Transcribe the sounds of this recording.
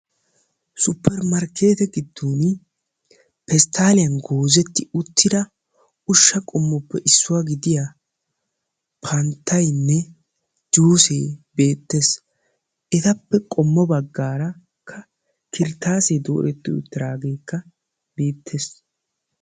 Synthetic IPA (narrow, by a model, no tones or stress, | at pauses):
sʊpʰːɛɾmɐɾkʰe̞ːt̪ɛɡɪd̪ːuːn | pɛst̪aːlɪjɐnɡoːzɛt̪ːɪʊt̪ːɪd̪ɐ | ʊʃːɐkʼɔmːɔpːɛʔɪsːʊwaɡɪd̪ɪja | pʰɐnt̪ʰːɐjnːɛ | d͡ʒuːsḛːbe̞ːt̪ːes | ʔɛt̪ɐpːɛkʼɔmːɔbɐɡːaːɾɐ | kʰːɐ | kɪɾt̪ːaːseːd̪o̰ːʔɛt̪ːɪʊ̰t̪ːɪɾaːɡe̞ːkːɐ | be̞ːt̪ʰːeːs